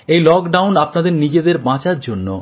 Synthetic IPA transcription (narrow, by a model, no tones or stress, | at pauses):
ejlɔkɖawnapnad̪eɾnid͡ʑed̪eɾbãt͡ɕaɾd͡ʑonːo